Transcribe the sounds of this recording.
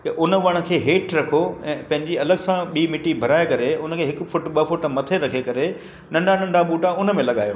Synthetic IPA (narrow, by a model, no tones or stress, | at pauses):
ɐʔʊnə̆ʋɐɽ̃ə̆kʰeːɦeːʈɾɐkʰoɛ̃ːpɐ̃ɦɪ̃ɲd͡ʑiɐləɠsãɓiːmɪʈibʱɐɾaːekɐɾeʊnəkʰeːɦɪkʊ̆fʊʈɓɐfʊʈmɐt̪ʰeɾɐkʰekɐɾe | nɐ̃ɳɖʱanɐ̃ɳɖʱaɓuːʈaʊnəmẽlɐɠa̰ːjo̰ː